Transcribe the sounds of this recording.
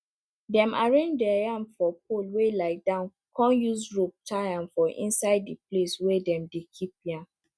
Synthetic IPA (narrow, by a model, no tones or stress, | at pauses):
dɛ̃maɹẽnd͡ʒdɛjãmfɔp̚olwelaɪdãʊ̃n | kʰɔ̃njuzɹop̚tʰajãnfɔʔḭ̃nsaɪdːipleswɛdɛ̃mdekʰip̚jãn